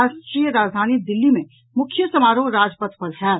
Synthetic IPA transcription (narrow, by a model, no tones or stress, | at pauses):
aʃʈɾijəɾaːd͡ʒd̪ʱaːnid̪ɪlːimẽ | mʊkʰjəsɐmaːɾõɾaːd͡ʒpət̪pɐɾɦɛː